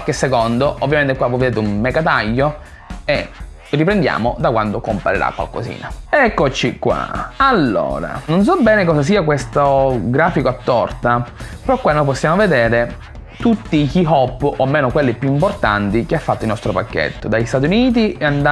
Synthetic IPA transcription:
alkːesːekond̪oʔovːjament̪ekwavɔjved̪eːt̪ummeɡat̪aʎːo | e | ripɾend̪ja̰ːmod̪akwa̰nd̪okompa̰ɾḭɾa̰kwa̰lko̰zḭːna̰ɛkːot͡ʃikwa̰alːo̰ːɾa̰nons̬ɔbɛːnekɔzas̬iːakwest̪oɡɾaːfikoat̪ːɔrt̪apeɾɔkwanːojposːjaːmoved̪eːɾe | t̪ut̪ːikiɦɔpːomːeːnokwelːepːjuimport̪a̰nt̪ik̟eafːat̪ːoilnɔst̪ɾopakːḛt̪ːod̪aʎːist̪aːt̪iuniːt̪̬ieand̪a

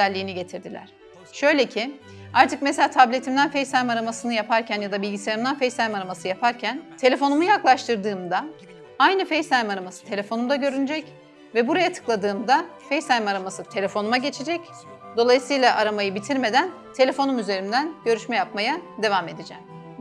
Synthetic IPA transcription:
ælʲːiːniɟe̞t̪ʰiɾd̪ilʲæ̰ɾ̥ | ʃø̞jlʲe̞cʰi | aɾt̪ʰɯkmeselʲaːt̪ʰablʲe̞t̪ʰimd̪ænfejsajmaɾamasɯnɯjapʰaɾcʰænjad̪abilʲɟiseɾimd̪ænfejsajmaɾamasɯjapʰaɾcʰænt̪ʰe̞lʲe̞fo̞numujaklˠaʃt̪ʰɯɾd̪ɯːmd̪a | ajnɯfejsajmaɾamasɯ̥t̪ʰe̞lʲe̞fo̞numd̪aɟø̞ɾynyd͡ʒɛc | vɛbuɾajat̪ʰɯ̥klˠad̪ɯːmd̪afejsajmaɾamasɯt̪ʰe̞lʲe̞fo̞numaɟe̞t͡ʃʰed͡ʒɛc | d̪o̞lˠajɯsɯjlˠaʔaɾamajɯbit̪ʰiɾme̞d̪æn | t̪ʰe̞lʲe̞fo̞numyze̞ɾimd̪ænɟ̥ø̞ɾyʃmɛjapmajad̪e̞vame̞d̪id͡ʒɛ̰m

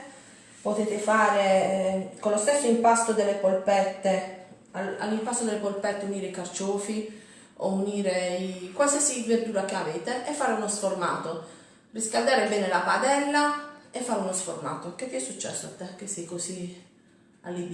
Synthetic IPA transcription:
pot̪eːt̪ɪfaːɾe | kolost̪esːoimpast̪od̪elːepolpɛt̪ːe | ala̰lːimpast̪od̪elːepolpɛt̪ːeuniːɾeikart͡ʃɔːfi | o̰uniːɾeikwalsiasiverd̪uːɾak̟eaveːt̪eʔːfːaːɾeunosforma̰ːt̪o | riskald̪aːɾebɛːnelapad̪ɛlːaefːaːɾeunosforma̰ːt̪ok̟et̪ːiɛsːut͡ʃːɛ̰sːoa̰t̪ːɛk̟ːesːɛjkosi | a̰lːid̪

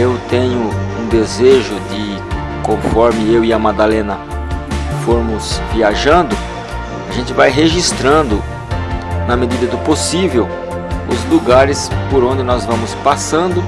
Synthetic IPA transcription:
ewt̪ẽɲʊũd̪ezeʒʊd̪ɪ | kõfɔɾmɪewɪɐmad̪alẽnɐ | foɾmʊsviaʒɐ̃nd̪ʊ | aʒẽnt̪ɪvajɦeʒist̪ɾɐ̃nd̪ʊ | nɐmed̪id̪ɐd̪ʊposivew | ʊzluɡaɾɪspoɾõnd̪ɪnɔzvɐ̃mʊspasɐ̃nd̪ʊ

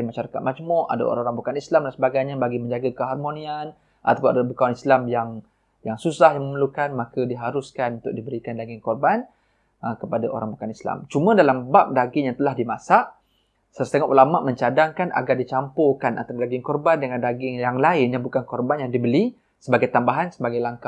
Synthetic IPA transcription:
imaʃaɾakat̪̚mad͡ʒmɔʔa̰da̰o̰ɾaoɾaŋbukanislamdansəbaɡajɲãbaɡimə̃ɲd͡ʒaɡakəɦarmonĩan | ʔa̰t̪apʊnadabukawanislamjaŋ | jaŋsusahjaŋməməlukanmakədiɦaɾʊskanunt̪ʊk̚dibəɾikandaɡɪŋkɔrban | əkəpadaʔo̰ɾaŋbukanisla̰mt͡ʃumə̃dalambap̚daɡɪŋjaŋt̪əlahdimasaʔ | səsət̪eŋɔʔulama̰ʔmə̃ɲt͡ʃadaŋkanʔa̰ɡardit͡ʃampokana̰t̪adaɡɪŋkɔrbandəŋandaɡɪŋjaŋlaɪnjabukankɔrbanjaŋdibəli | səbaɡajt̪ambaɦansəbaɡajlaŋkah

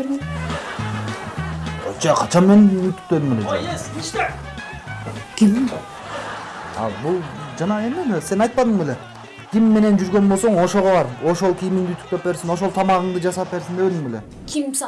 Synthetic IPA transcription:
ɾɡe | t͡ʃɑqʰɑt͡ʃʰɑnmenyt̪y̥k̚t̪ød̪ymeled͡ʒø̰ | kʲim | ɑ̰bulˠd͡ʒɑnɑe̞memese̞nɑjt̪̚pɑd̪ɯɴbele̞ | kʲʰimːe̞ne̞nd͡ʒyɾɡønbosoɴo̞ʃo̞ʁoβɑɾo̞ʃo̞lˠkʰʲijmiŋd̪iyt̪y̥k̚t̪ø̞pːe̞ɾsino̞ʃ̬olˠt̪ʰɑmɑʁɯɴd̪ɯd͡ʒɑsɑp̚pːe̞ɾsineøliŋele | kʲʰim

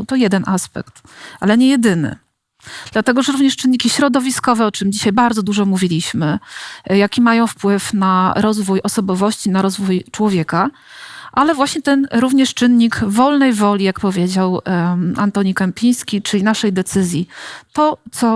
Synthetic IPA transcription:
t̪ɔjɛd̪ɛnʔaspɛ̰kt̪ | ʔalɛɲɛjɛd̪ɘnɘ̰ | d̪̥lat̪ɛɡɔʐɛɾuvɲɛʂt͡ʂɘɨnːɲikʲiɕɾɔd̪ɔvʲiskɔvɛɔt͡ʂɘmd͡ʑiɕajbaɾd̪zɔd̪uʐɔmuvʲilʲiɕmɘjakʲimajɔ̃w̃fpwɘfnaɾɔzvujʔɔsɔbɔvɔɕt͡ɕinaɾɔzvujt͡ʂwɔvʲjɛka | ʔalɛvwaɕɲɛt̪ɛnɾuvɲɛʂt͡ʂɘnɲiɡvɔlnɛjvɔlʲijakpɔvʲjed͡ʑawant̪ɔɲikampʲij̃skʲit͡ʂɘlʲinaʂɛjd̪ɛt̪sɘzʲjit̪ɔt̪sɔ

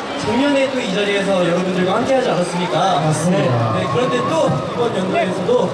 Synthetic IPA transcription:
t͡ɕoɲʌne̞t͈oid͡ʑaɾies̬ʰʌjʌɾʌbundɯɭɡwahamk͈e̞ɦad͡ʑianas͈ɯmɲik͈aas͈mianekɯɾʌnte̞t͈oibʌnjʌnɡaesʰʌdo

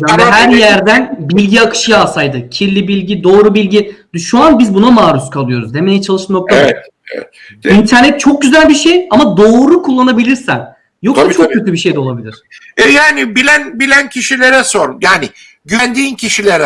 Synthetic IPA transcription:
janiɦæɾjæɾd̪ænbiilʲɟiakʰɯ̥ʃɯjaːsajd̪ɯcʰiɾlʲibilʲɟid̪o̞ːɾubilʲɟid̪ʃuanbizbunamaːɾuskʰalˠɯjo̞ɾuznemelʲit͡ʃʰalˠɯʃmak̪̚a | ɛ̰ | int̪ʰæɾnɛt̪̚t͡ʃʰo̞k̚ɟyzælʲbiʃejamad̪o̞ːɾukʰulˠːanabilʲiɾsæn | jo̞k̪at͡ʃʰok̪̚cʰøt̪ʰlybiʃe̞jd̪ɛolˠabilʲiɾ̥ | ɛjaːnibilʲænbilʲæncʰiʃilʲeɾɛsoɾmjaːnɪ | ɟynd̪iːncʰiʃilʲeɾɛ

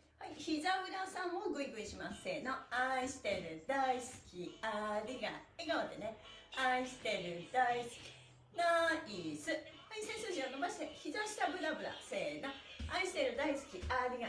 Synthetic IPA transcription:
haiçizabɯ̟ɾasãm̃oɡɯ̟iɡɯ̟iɕimase̞noaiɕi̥t̪e̞ɾɯ̟d̪aisɨ̥kʲiaɾʲiɡa̰eɡaot̪e̞ne̞aiɕi̥t̪e̞ɾɯ̟d̪̥aisɨ̥kʲi̥ | naisɨ | aisẽsɨ̃ʑĩat̪ːomaɕi̥t̪eçizaɕi̥t̪abɯ̟ɾabɯ̟ɾa̰seːnaaiɕi̥t̪e̞ɾɯ̟d̪aisɨ̥kʲiʔaɾʲiɡa

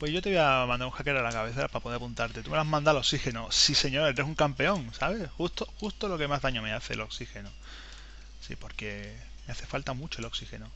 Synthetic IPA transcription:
pwe̞zʝo̞t̪eβeamand̪aɾũŋxake̞ɾalakaβe̞θeɾa̰papoðeapunt̪aɾt̪e̞t̪umelazmãnd̪alo̞ksixe̞nosise̞ɲo̞ɾeɾesuŋkampeo̞ŋsaβ̞e̞sxust̪oxust̪olo̞ke̞mazðaɲome̞aθe̞̰lo̞ksixe̞no | sḭpo̞ɾke̞ | meaθe̞falt̪amut͡ʃoelo̞ksixe̞no

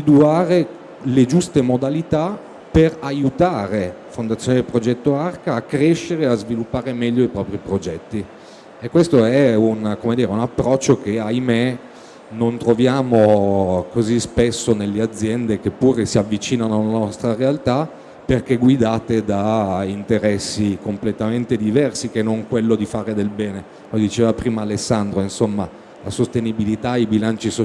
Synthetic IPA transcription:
id̪uaːɾe | led͡ʒust̪emod̪alit̪a | perajut̪aːɾe | fond̪at̪sːjoːniepɾod͡ʒɛt̪ːoarkaːkːɾeʃːeɾeazvilupːaːɾemɛʎːoipɾɔːpɾipɾod͡ʒɛt̪ːi | ekːwest̪oɛunkomed̪iːɾeunapːɾɔt͡ʃːok̟eajme | nont̪ɾovjaːmokozispesːonelːead̪zːjɛnd̪ek̟epːuːɾesiavːit͡ʃiːnanoalanɔst̪ɾarealt̪a | perk̟eɡwid̪aːt̪ed̪aint̪eɾɛsːikomplet̪ament̪ed̪ivɛrsikenːoŋkwelːod̪ifaːɾed̪elbɛːne | lod̪it͡ʃeːvapɾiːmaːlesːand̪ɾoinsomːa | lasost̪enibilit̪aibilant͡ʃis

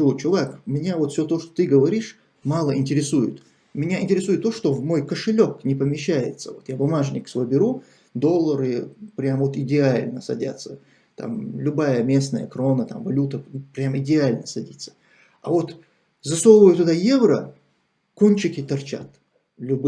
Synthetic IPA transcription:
t͡ɕʊvˠakmʲɪnʲavo̞t̪fsʲot̪o̞ʂt̪ot̪ɨɡəvɐɾʲiʂ | malˠəɪnʲtʲɪɾʲɪsujɪt̪ | mʲɪnʲaɪnʲtʲɪɾʲɪsujɪt̪ːo̞ʂt̪o̞vmo̞jkəʂɨlʲoknʲɪpəmʲɪɕːæjɪ̰t̪səvot̪jabʊmaʐnʲɪksvˠəbʲɪɾu | d̪o̞lˠːəɾɨpɾʲamvo̞t̪ɪdʲɪalʲnəsɐ̰dʲa̰t̪sːə | t̪a̰mlʲʊbajəmʲe̞snəjə̰kɾo̞nət̪a̰mvɐlʲut̪əpɾʲamɪdʲɪalʲnəsɐdʲit̪sːə̥ | ɐvo̞t̪ | zɐsolvəjʊt̪ʊd̪ajevɾə | konʲt͡ɕɪkʲɪt̪ɐrt͡ɕa̰t̪ | lʲʊb

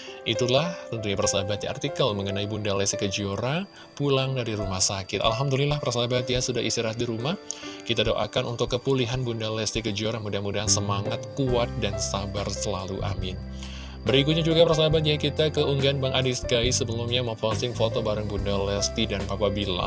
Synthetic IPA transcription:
ʔit̪ulaht̪ənt̪uɲapərsabat̪̚jaa̰rt̪ikəlməŋənaibundalɛst̪ikəd͡ʒioɾa | pulaŋdaɾiɾumahsakɪt̪a̰lɦamdulilahpərsabat̪̚jasudaɦisiɾat̪̚diɾumahkit̪adoʔa̰kanunt̪ʊkːəpuliɦanbundalɛst̪ikəd͡ʒioɾamudahmudaɦansəmaŋat̪̚kuat̪̚dansabarsəlaluʔa̰mɪn | bəɾik̬ut̪̚ɲad͡ʒuɡapərsabat̪̚jakit̪akəuŋɡaanbaŋʔadiskaisəbəlumɲaməfɔst̪ɪŋfot̪obaɾəŋbundalɛst̪idanpapabila̰

